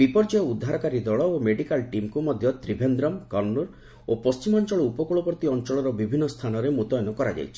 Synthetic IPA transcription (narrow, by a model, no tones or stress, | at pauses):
bipɔɾd͡ʒɔjɔud̪ʱːaɾɔkaɾid̪ɔɭɔomeɽikalʈimkumɔd̪ʱjɔt̪ɾibʱend̪ɾɔmkɔɾnuɾ | opɔst͡ʃimɔnt͡ʃɔɭɔupɔkuɭɔpɔɾt̪iɔnt͡ʃɔɭɔɾɔbibʱinːɔst̪ʰanɔɾemut̪ɔjɔnɔkɔɾad͡ʒa̰jt͡ʃʰi̥